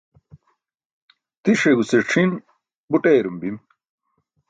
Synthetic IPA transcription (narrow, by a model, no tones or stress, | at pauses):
t̪iʂeɡuseʈ͡ʂʰin | buʈeːɾumbim